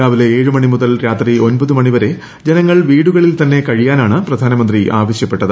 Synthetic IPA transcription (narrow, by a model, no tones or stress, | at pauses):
aːʋile̞eːɻɨmɐɳimuðɐlɾaːt̪rio̞nbɐðumɐɳiʋɐɾe̞ | d͡ʑenɐŋːɐɭʋiːɽuɣɐɭilt̪ɐnːe̞kɐɻijaːnaːɳɨprɐd̪ʱaːnɐmɐnd̪riʔaːʋɐɕjɐpːe̞ʈːɐðɨ